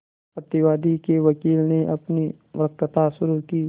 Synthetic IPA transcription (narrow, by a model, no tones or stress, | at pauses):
pɐt̪ɪʋaːd̪ikeʋɐkiːlneʔɐpni | ʋɾəkət̪aʃʊɾukiː